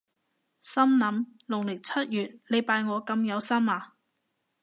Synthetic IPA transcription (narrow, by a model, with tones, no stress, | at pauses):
sɐ˥mnɐ˨˥mlʊ˨˩ŋlɪ˨˩t͡sʰɐ˥t̚jyː˨t̚le˨˧jpaː˧jŋɔː˨˧kɐ˧mjɐ˨˧wsɐ˥maː˨˧